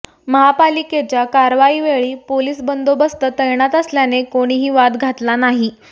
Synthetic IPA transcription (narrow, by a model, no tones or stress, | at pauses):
məɦapaliket͡ɕjakaɾʋaiʋeɭiːpoliːsbənd̪obəst̪ət̪əjɳat̪əsljanekoɽ̃iɦiːʋat̪ɡʱat̪lanaɦi